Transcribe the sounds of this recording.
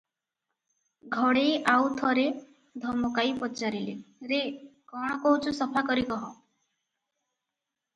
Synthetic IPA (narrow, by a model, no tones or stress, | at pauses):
ɡʱɔɽejʔawt̪ʰɔɾe | d̪ʱɔmɔkaipɔt͡ʃaɾileɾekɔɽ̃ɔkɔut͡ʃʰusɔpʰakɔɾikɔɦɔ̃